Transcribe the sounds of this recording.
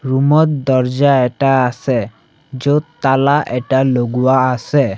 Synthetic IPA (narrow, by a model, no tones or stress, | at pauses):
ɾumɔt̪̚d̪ɔɾd͡ʑaɛʈaase | d͡ʑot̪ːalaʔɛʈaloɡuwaase